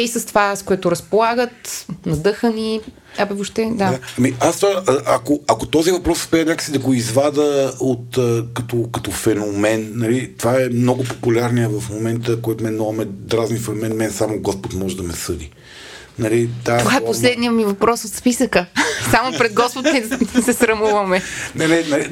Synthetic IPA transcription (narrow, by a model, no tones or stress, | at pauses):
isəst̪ovaskoɛt̪ʊɾɐspolˠaɡət̪nɐd̪ɤxəni | abɛvoʃt̪ɛd̪ad̪aɐmiast̪vaʔɐkoɐkot̪ɔzivɐpɾɔsspɛɛnʲakə̥sid̪ɐɡoizvad̪əot̪əkɐt̪ɔkɐt̪ɔfɛnomɛnnːɐlit̪ovaɛmnɔɡopopulʲaɾnijəvɐfmomɛnt̪əkɔjt̪ʊmɛnɔɐmɛd̪ɾaznifɛnomɛnmɛnsamoɡɔspot̪mɔʒɛd̪ɐmɛsɤd̪i | nɐlit̪aovaɛposlɛd̪nijəmivɐpɾɔsot̪spisəkəsamopɾɛd̪̚ɡɔspot̪mɛsɛsɾɐmuvɐmɛnɛnɛnɐli